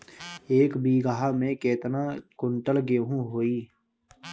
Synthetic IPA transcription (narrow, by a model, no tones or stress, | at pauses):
eːkbiːɡaɦaːmẽkeːt̪nakʊɳʈəlɡeːɦũɦoːiː